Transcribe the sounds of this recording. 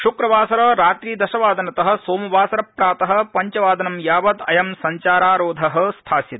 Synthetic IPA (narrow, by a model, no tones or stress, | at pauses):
ʃukɾɐbaːsɐɾɐɾaːt̪ɾiːd̪ɐʃɐʋaːd̪ʱɐnɐt̪ɐɦɐ̆soːmubʱaːsɐɾɐpɾaːt̪ɐɦɐ̆pɐɲt͡ʃɐʋaːd̪ɐnɐmjaːʋɐd̪ɐjɐmsɐɲt͡ʃaːɾaːɾoːd̪ʱɐɦɐ̆st̪ʰaːsjit̪